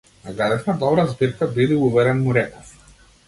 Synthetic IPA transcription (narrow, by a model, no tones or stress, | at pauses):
naɡɾad̪ɛʃnad̪ɔbɾazbiɾkabid̪iuvɛɾɛnmuɾɛkɔf